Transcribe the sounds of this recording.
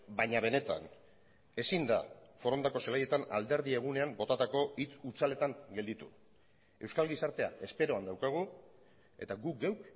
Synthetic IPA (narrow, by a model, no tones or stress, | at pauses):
baɲaβe̞ne̞t̪a̰n | e̞sind̪a̰fo̞ɾo̞nd̪ako̞selaje̞t̪ana̰ld̪e̞ɾð̞ie̞ɣ̞une̞ambo̞t̪at̪ako̞it͡sut͡sale̞t̪aŋɡe̞ld̪it̪u | e̞wskalɣisaɾt̪e̞a̰e̞spe̞ɾo̞and̪awkaɣ̞u | e̞t̪aɡukɡewk